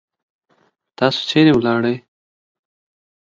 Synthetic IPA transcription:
t̪ɑso̥seɾewlɑɽəj

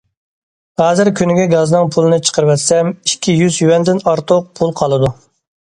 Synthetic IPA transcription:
hɑːzɪɾkʲʰynɪɡʲɛɡɑznɨŋpʰulˠɨnɨt͡ʃʰə̥qʰəɾɨwɛt̪sɛmikʲʰːijyzjywɛnd̪ɪnɑɾt̪ʰʊq̚pʰulˠqʰɑlˠɨd̪u

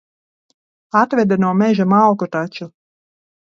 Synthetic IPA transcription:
at̪vɛd̪anuɔmɛʒamalkut̪at͡ʃu

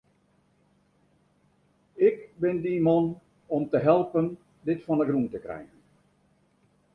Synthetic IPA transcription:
ɪkbɪndimɔn | ɔmtəɦɛlˠpən | dɪtfɔnəɡruntəkrɛ̰jɣən

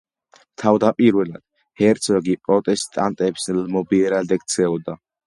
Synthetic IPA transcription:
t̪ʰavd̪apʼiɾwɛlad̪̥ | hɛɾt̪sʰɔɡipʼɾɔt̪ʼɛst̪ʼant̪ʼɛpslmɔbiɾad̪ɛkt̪sʰɛɔd̪a

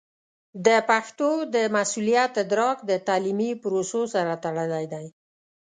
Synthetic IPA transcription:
d̪əpaxt̪od̪əmasulijat̪d̪ɾɑkd̪ət̪ɑlimipʊɾososaɾat̪aɽəlajd̪aj

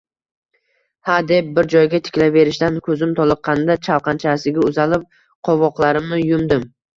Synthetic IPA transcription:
had̪e̞p̚bɪɾd͡ʒɒjɡʲat̪ʰɪ̥kʲlave̞ɾɪʃt̪ankʲʰɵzɪmt̪ʰɒlˠɨqʰːɑnd̪at͡ʃʰawqʰɑnt͡ʃʰasɪɡʲaʊzalɪp̚ | qʰɒvɒqlˠaɾɪmnɪjʊmd̪ɪm

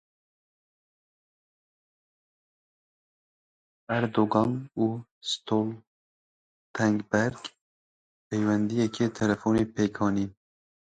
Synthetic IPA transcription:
æɾd̪oːɡɑnuːst̪ʰol | t̪ʰɛŋɡbɛɾɡ | pejwɛnd̪ijɛkʰeːt̪ʰɛlɛfoːneːpʰeːkʰɑːniː

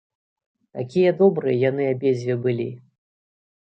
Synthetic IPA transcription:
t̪akʲijɐd̪ɔbɾɨjɐjan̪ɨabʲezʲvʲɛbɨlʲi

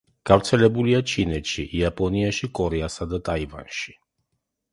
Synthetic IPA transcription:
ɡ̥avt̪sʰɛlɛbuliat͡ʃʰinɛt͡ʃʰḭjapʼɔniaʃikʼɔɾɛasad̪ət̪ʼajva̰nʃi̥

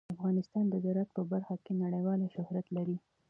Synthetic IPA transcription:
afɣɑnɪst̪ɑnd̪əzaɾat̪̚pəbaɾxakenaɽəjwɑlʃʊhɾat̪laɾi

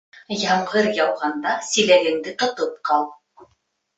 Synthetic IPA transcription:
jɑɴʁɤɾjɑwʁɑnd̪ɑsilæɡɘ̆ŋd̪ɘt̪ŏt̪op̚qɑlˠ

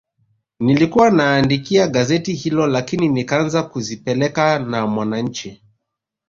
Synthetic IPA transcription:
nilikuwanaːndikiaɡazɛtihilɔlakininikaanzakuzipɛlɛkanamwanaɲ̩t͡ʃi

